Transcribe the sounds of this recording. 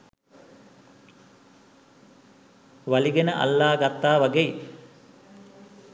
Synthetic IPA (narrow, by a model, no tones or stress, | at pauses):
ʋaliɡenəʔa̰lːaːɡat̪ːaːʋaɡei